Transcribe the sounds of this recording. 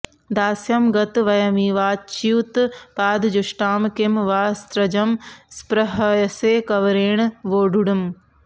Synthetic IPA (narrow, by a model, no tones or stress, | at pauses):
d̪aːsjɐmɡɐt̪ʋɐjɐmiːʋaːt͡ʃiuːt̪paːd̪d͡ʒuʃʈaːmkimʋaːst̪ɾɐd͡ʒɐmspɾɐɦɐjɐseːkɐʋɾeːɳ̃ʋoːɖuɽum